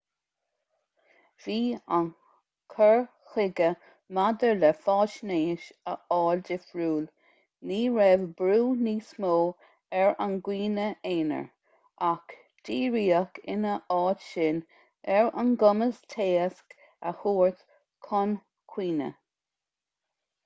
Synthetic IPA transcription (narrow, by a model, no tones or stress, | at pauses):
v̥iːan | kʰəɹ | xɪɡə | mad̪əɹlɛfɑːʃneːʃəɑːldɪfɹuːl | niːɹɛvbɾuːniːsmoː | ɛɹanɡwiːnəeːnə̰ɹ | ak | d̥iːɹiːəkʰɪ̰nəʔɑːdʃɪn | ɛɹanɡʊməstʰeːəsk | ə̰huːɹt̪ | kʰɔn | kʰw̥iːnə̰